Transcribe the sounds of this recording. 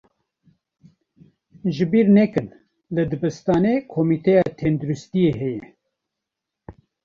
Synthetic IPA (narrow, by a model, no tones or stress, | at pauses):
ʒɨbiːɾnɛkɨn | lɨd̪ɨbɨst̪ɑːnekʰomit̪ʰɛjɑːt̪ʰɛnd̪uɾust̪ijeɦɛjɛ